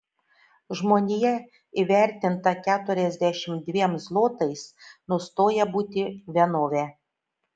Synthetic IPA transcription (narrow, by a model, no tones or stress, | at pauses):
ʒmoːnʲɪjɛ | iʋʲæˑɾʲt̪ʲɪnt̪ɐkʲæːt̪ʊɾʲɛzʲd̪ʲæʃʲɪmd̪ʲʋʲiɛmzlˠoːt̪ɐɪsnʊst̪oːjɛbuːt̪ʲɪʋʲiɛnoːʋʲɛ